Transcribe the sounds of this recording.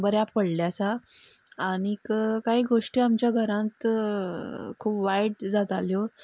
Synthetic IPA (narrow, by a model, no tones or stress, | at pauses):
bəɾjapəɽljasaː | ɽ̃ikkaɦiːɡoʂʈiamt͡ɕjaɡʱəɾãnt̪ | kʰuːpʋajɽd͡zat̪aljo